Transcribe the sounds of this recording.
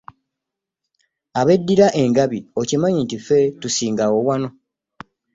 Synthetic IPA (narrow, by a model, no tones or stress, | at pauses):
aβe̞dːiɾaʔe̞ŋɡaβiocimaɲintife̞tusiːŋɡawo̞wano̞